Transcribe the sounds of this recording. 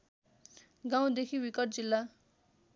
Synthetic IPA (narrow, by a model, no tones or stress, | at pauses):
ɡãw̃d̪ekʰiwikʌʈ̚d͡zilːa